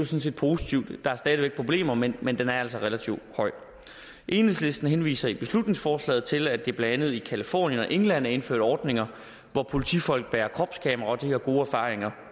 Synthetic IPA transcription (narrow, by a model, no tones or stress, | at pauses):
josɒ̽n̩s̬e̝̰ːd̥̚pʰo̝sit͡sʰiʊ̰d̥d̥ɑ̈æɐsd̥ɛːð̞ˠʋeɡ̥̚pʰʁo̝b̥le̝̰ːmɐmenmend̥enæɐæl̰sɐʁelæt͡sʰiʊ̰d̥hɒ̽ɪ̰ | ʔe̝ːneð̩ˠsle̝sd̥n̩ɦenʋḭːsɐib̥e̝slud̥ne̝ŋsfɒːslɛ̰ːð̩ˠt͡sʰe̝læd̥eb̥leænð̞̩ˠikʰælifɔ̰ːnjənɒ̽ʔe̝ŋlæn̰æe̝nfø̰ɐ̰d̥ɒːd̥ne̝ŋɐ | ʋɒpʰo̝lit͡sʰifɒ̽l̰ɡ̥̚b̥ɛːɐkʰʁɒ̽b̥skʰɛːmɐʁɑ̈ɒ̽d̥ihe̝ɐɡ̥o̝ːæɐfɑ̰̈ːʁeŋɐ